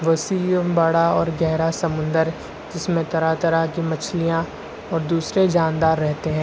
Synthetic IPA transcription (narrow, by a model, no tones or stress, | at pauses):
ʋɐsiːbɐɽaɔːɾɡɛɦɾasɐmʊ̃nd̪əɾ | d͡ʒɪsmẽt̪ɐɾat̪ɐɾakimɐt͡ʃʰlijã | ɔːɾd̪uːsɾed͡ʒaːnd̪aːɾːɛɦt̪eɦɛ̃ː